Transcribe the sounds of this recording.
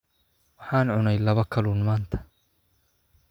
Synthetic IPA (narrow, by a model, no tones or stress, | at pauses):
wɑħɑːnʕʊnɛjlɐβɐkʰɐluːnmaːnt̪ʰɐ̥